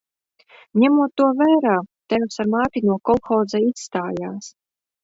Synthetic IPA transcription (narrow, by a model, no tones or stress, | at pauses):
ɲʲæmuɔt̪ːuɔvæːɾaːt̪ɛjwsaɾmaːt̪ʲinuɔkɔlˠxɔːd̪zaisst̪aːjaːs